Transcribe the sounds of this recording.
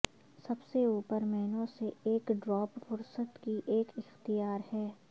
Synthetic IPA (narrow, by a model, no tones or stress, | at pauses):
sɐbseuːpəɾmɛɦnõseeːkɖɾɔːpfʊɾsət̪kiʔeːkɪxt̪ijaːɾhɛː